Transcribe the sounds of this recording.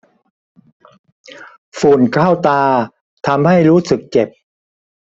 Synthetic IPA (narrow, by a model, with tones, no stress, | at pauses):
fuː˨˩nkʰaː˥˩wt̪aː˧ | t̪ʰa˧mha˥˩jɾuː˦˥sɯ˨˩k̚t͡ɕe˨˩p̚